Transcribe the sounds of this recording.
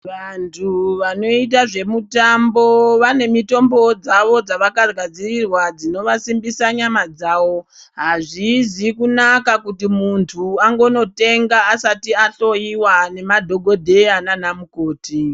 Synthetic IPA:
ʋantʰuʋano̞it̬aʐe̞mutambo̞ʋane̞mito̞mbo̞d͡zaʋo̞d͡zaʋakarɡad͡zirirwad͡zino̞ʋasimbisaɲamad͡zaːʋo̞ | ɦaʐizikunakakutimuntʰuaŋɡo̞no̞te̞ŋɡaːsatiaɬo̞iwane̞madʱo̞ɡʱo̞dʱe̞ananamuko̞ːti

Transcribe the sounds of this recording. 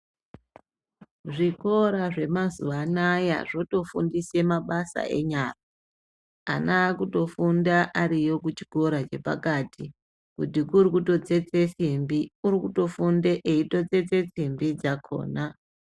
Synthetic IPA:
ʐiko̞ɾaʐe̞mazuʋanaja̰ʐo̞to̞fṵndise̞maɓasa̰ʔe̞̰ɲara | a̰naːkuto̞fundaʔaɾijo̞kut͡ʃi̥ko̞ɾat͡ʃe̞pa̰katʰi | kutikurikuto̞t͡se̞t͡se̞simbiurikuto̞funde̞ʔeito̞t͡se̞t͡se̞t͡simbid͡zakʰo̞̰ːna

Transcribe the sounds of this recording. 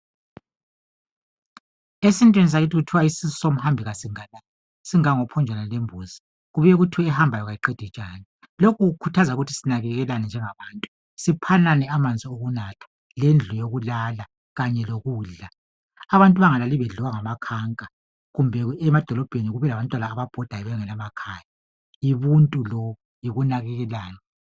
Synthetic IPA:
esintʼwinis̬aɣitʰiɣutʰiwaisis̬ɔ̥som̩hambʱiɣasiŋala | siŋaŋɔpʰɔnd͡ʒʱwanalembʱuːzi | ɣuβujɛɣutʰiɛhambʱajɔɣajiǃɛd̥ʱit͡ʃʼaːni | lokʰuɣukʰutʰazauɣutʰi̥sinaɣɛɣɛlanɛnd͡ʒʱɛŋaβaːntʼu | sipʰananɛamand͡zʱioɣunatʰḁ | lend͡ɮʱujoɣulala | ɣaɲɛloɣuːɮa | aβantʼuβaŋalaliβɛɮuwaŋamakʰaŋkʼa | ɣumbʱɛɛmad̥ʱɔlɔb̥ʱeniɣuβɛlaβantʼwanaːβab̥ʱɔd̥ʱajɛβɛŋɛlamakʰaːja | iβuntʼulɔ | jiɣunaɣɛɣɛlaːnɛ

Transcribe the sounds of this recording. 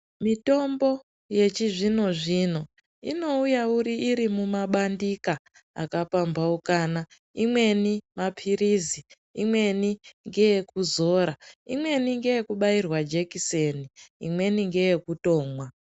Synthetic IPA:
mito̞mbo̞ | je̞t͡ʃiʐino̞ʐino̞ | ḭno̞ujauɾiʔiɾimumaɓandika | a̰kapambaukaːna | imwe̞nimapʰiɾizi | ḭmwe̞niŋɡe̞jekuzo̞ːɾaimwe̞niŋɡe̞je̞kuɓairwad͡ʒe̞kiseniḭmwe̞niŋɡe̞jekuto̞ːmwa

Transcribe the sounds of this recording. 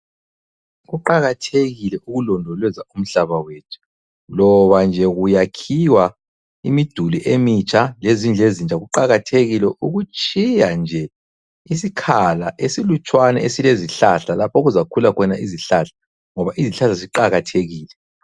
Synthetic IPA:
ɣuǃaɣatʰeɣilɛʔuɣulɔndʱɔlwɛzaum̩ɬaβaweːtʰu̥ | lɔβand͡ʒʱɛɣujakʰiwa | imid̥ʱuliʔemit͡ʃʰʼalezind͡ɮʱezind͡ʒʱaɣuǃaɣatʰeɣilɛʔuɣut͡ʃʼijand͡ʒʱɛ | isikʰalaʔesilut͡ʃʼwanɛesileziɬaɬalapʰoɣuzakʰulakʰɔnaʔiziɬaɬḁ | ŋɔβaʔiziɬaɬaziǃaɣatʰeɣiːlɛ

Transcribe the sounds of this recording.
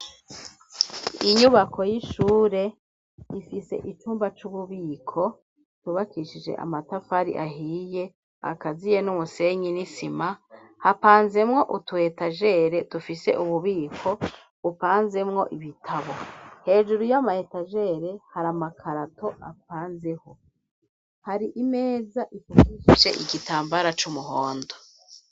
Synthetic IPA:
iɲuβakʰo̞jiʃuːɾe̞ | ifise̞̰ʔit͡ʃuːmbat͡ʃuβuβiːkʰo̞ | tuβakiʃid͡ʒe̞̰ʔa̰matafaɾḭʔa̰ɦiːje̞ | a̰kazije̞numuse̞ɲinisima | hapaːnze̞mŋo̞ʔutuhe̞taʒe̞ɾe̞dufise̞̰ʔuβuβiːkʰo̞ | upaːnze̞mŋo̞̰ʔiβitʰaβo̞he̞ːʒuɾujamahetaʒe̞ɾe̞haɾamakʰaɾato̞ʔap̚aːnzeho̞ | haɾiʔimeːzaʔifukiʃiʒe̞ʔiɡitaːmbaɾat͡ʃumuɦoːndo

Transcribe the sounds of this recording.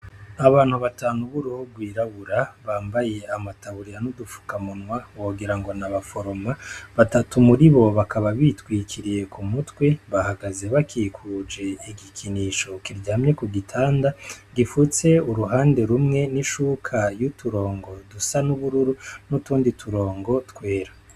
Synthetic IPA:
aβaːn̥huβataːnuβuɾuhubɡwiːɾaβuɾaβaːmbaje̞amataβuɾijanudufu̥kamunwaoɡiɾaŋɡo̞naβafo̞ɾo̞maβatatumuɾiβo̞βakʰaβaβitwiːkʰiɾije̞kʰumutwe̞βahaɡaze̞βakʰikʰud͡ʒe̞iɡikʰiniʃo̞kiɾɟahamɲe̞kuɡitʰaːndaɡifut͡se̞uɾuɦaːnde̞ɾumŋe̞niʃuːkʰajutuɾo̞ːŋɡo̞dusanuβuɾuɾunutuːndituɾo̞ːŋɡo̞tkwe̞ːɾḁ

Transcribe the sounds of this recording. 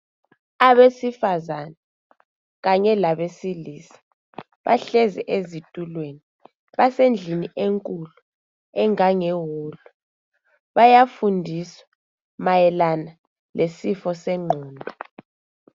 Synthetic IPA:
aβesifazana | ɣaɲɛlaβesilisḁ | βaɬɛzɛʔezitʼulweni | βasend͡ɮʱiniʔeŋkʼulu | ɛŋaŋeɦuːlɔ | βajafundʱiswa | majɛlana | lʔesifɔsɛŋ͡ǃʱɔːndʱɔ

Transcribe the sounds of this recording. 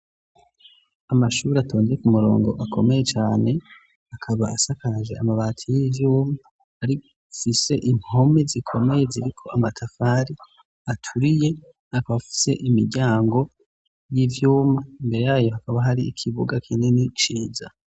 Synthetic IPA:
amaʃuːɾeatʰo̞ːnzeekumuɾo̞̰ːŋɡo̞ʔakʰo̞me̞je̞t͡ʃaːne̞ | akʰaβa̰asakaʒeamaβaːtʰijivjuːmaː | ɾi | fise̞ʔimho̞me̞zikʰo̞me̞je̞ziɾikʰo̞ʔamatʰafaɾi | atʰuɾije̞ | akaβafi̥se̞̰ʔimiɾɟaːŋɡo̞ | jivjuːmaimbeɾe̞jaːjo̞hakaβaɦaɾiːkʰiβuɡakʰiːnenit͡ʃiːza

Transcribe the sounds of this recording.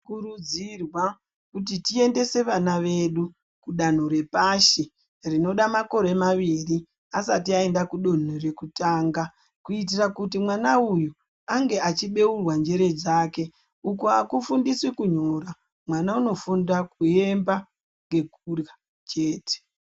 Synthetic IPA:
kuɾud͡zirwa | kut̬itie̞nde̞se̞ʋanaʋe̞ɗu | kuɗan̤oɾe̞paʃi | rino̞ɗamako̞ɾe̞maʋiri | asatiae̞ndakuɗon̤ure̞kutaːŋɡa | kuit̬irakutimwanauju | aŋɡe̞at͡ʃiɓe̞urwand͡ʒe̞ɾe̞d͡zaːke̞ | ukuakufundiswekuɲoɾa | mwanauno̞fundakue̞mba | ŋɡe̞kurja | t͡ʃe̞ːte̥

